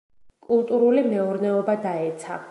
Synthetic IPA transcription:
kʼulˠt̪ʼuɾulimɛɔɾnɛɔbad̪aɛt̪sʰa̰

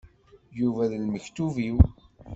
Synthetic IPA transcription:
juvæðəlməçt̪uviw

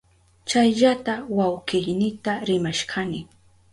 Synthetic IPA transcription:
t͡ʃajʎat̪awawɢɪʎnɪt̪aɾɪmaʃɢʰanɪ

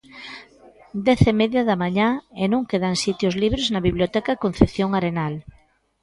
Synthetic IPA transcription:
d̪ɛθemeðjaðamaɲãenũŋkeðansit̪jozliβ̞ɾeznaβiβljot̪ɛkakon̟θepθjoŋaɾenal

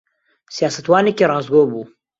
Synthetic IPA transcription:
sijaːsɐt̪waːnekirɑːzɡoːbuː

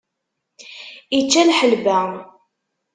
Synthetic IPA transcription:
it͡ʃːælħəlbæ

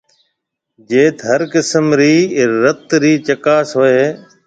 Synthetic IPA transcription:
d͡ʒeːt̪ɦəɾkɪsəmɾiːɾət̪ɾiːt͡ʃəkaːsɦoːeː

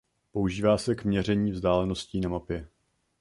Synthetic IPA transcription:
po̞uʒiːvaːsɛkmɲɛrɛɲiːvzdaːlɛno̞sciːnamapjɛ

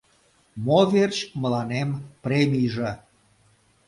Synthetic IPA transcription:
moβert͡ɕməlɑnempremʲijʒĕ

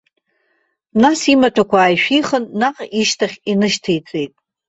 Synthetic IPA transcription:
nasimatʰakʷaːjʃᶣiχənːaqʼiʃtʰaχʲinɨʃtʰejt͡sʼe̞jtʼ

